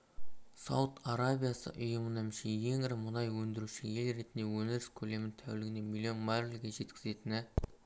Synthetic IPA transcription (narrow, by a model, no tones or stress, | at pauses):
sɑ̰wt̪aɾabijasə̰ʔʊjʊmənæmʃeje̞ŋɪɾɪmʊnɑjwɵnd̪ɪɾuʃɪje̞lɾe̞t̪ɪnd̪e̞wɵnɪɾɪskʲʰɵle̞mɪnt̪ʰæwlɪɡʲɪne̞milːijo̞nmaɪlɡʲeʒe̞t̪kʲɪ̥ze̞t̪ɪnɪ